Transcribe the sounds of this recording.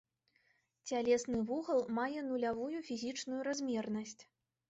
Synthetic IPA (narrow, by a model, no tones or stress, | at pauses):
t͡sʲalʲɛsnɨvuɣɐlˠmajɛnulʲavujufʲizʲit͡ʂnujuɾazʲmʲɛrnɐsʲt͡sʲ